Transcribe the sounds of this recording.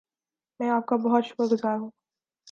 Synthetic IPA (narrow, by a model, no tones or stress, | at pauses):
mɛ̃aːp̚kabɔɦɔt̪ʃʊ̥pəɡʊzaːɦũː